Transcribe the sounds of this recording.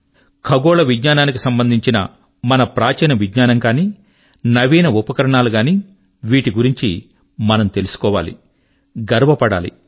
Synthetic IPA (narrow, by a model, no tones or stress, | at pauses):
kʰɐɡɔːlɐʋidɲaːnaːnik̬isɐmbɐnd̪ʱiɲt͡ʃinɐ̰ | mɐnɐpɾaːt͡ʃɐnɐʋidɲaːnɐŋkaːniː | nɐʋiːnɐupɐkɐɾɐɳaːluɡaːniː | ʋiːʈiɡuɾiɲt͡ʃi | mɐnɐmt̪e̞lusu̥kɔːʋa̰ːlḭ | ɡɐɾʋɐpɐɽa̰ːlḭ